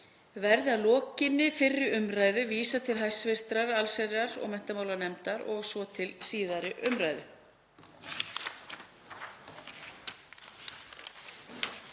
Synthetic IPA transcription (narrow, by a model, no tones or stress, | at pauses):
vɛɾðɪaðlɔːcɪnːɪfɪrːɪʏmɾaːjðʏviːsat̪ʰɪlɦajsvɪst̪ɾaɾalsɛɾaɾɔ̰ɣmɛn̥t̪amaːwlanɛmt̪aɾɔɣsvɔt̪ʰɪlsiːðaɾɪʔʏmɾaːjðʏ